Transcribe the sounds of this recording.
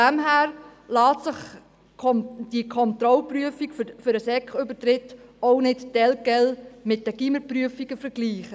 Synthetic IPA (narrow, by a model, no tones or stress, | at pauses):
æmɦæːɾlɑːt̪sɪχʰ | d̥ikʰɔnt̪ɾɔlpryəfikffʏɾəsɛkχʏbətɾɪtːɔʊnɪttɛlkɛlmɪt̚dəɡ̥iməpɾyəfiɡ̥əfəɾɡliːχə